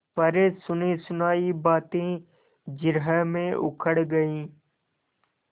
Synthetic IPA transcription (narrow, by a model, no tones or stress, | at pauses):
pɐɾesʊnesʊnaːibaːt̪ẽː | d͡ʒɪɾɦəmẽʔʊ̰kʰəɽɡɐĩː